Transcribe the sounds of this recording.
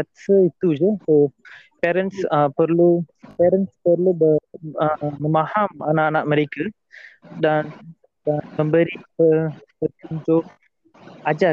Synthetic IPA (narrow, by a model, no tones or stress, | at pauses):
asəit̪ud͡ʒəho | pɛɾənsəpərlupɛɾənspərlubəəməmãhamanaʔanaʔ̚məɾeka | dan | əmə̃mbəɾikəəpət̪iunt̪ʊʔ | ad͡ʒa